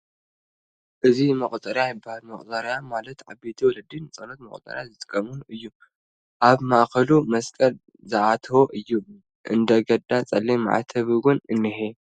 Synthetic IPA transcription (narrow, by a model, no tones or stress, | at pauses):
ʔɨzimɐχʼt̪ʼɐɾjajɪbːahalmɐχʼt̪ʼɐɾjamalɐt̪ʕa̰bet̪ʰiwɔlɐd̪ɨnt͡sʼɐnot̪mɐχʼt̪ʼɐ̰ɾjazɨt̪ʼɨ̥kʼːɐmunuʔɨjːu | ʔaβmaʔkɐlumɐskʼɐl | zɨʕat̪ʰɐwoʔɨjːu | ʔɨnd̪ɐɡɐd̪at͡sʼɐlːem̰ʕa̰t̪ʰɐβɨɡʊnɨnːɨɦe